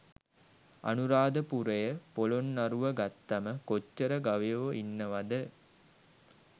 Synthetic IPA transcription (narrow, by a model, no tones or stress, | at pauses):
a̰nuɾaːd̪əpuɾejəpolonːaɾuʋəɡat̪ːaməkot͡ʃːəɾəɡaʋijoʋoʔinːəʋad̪ə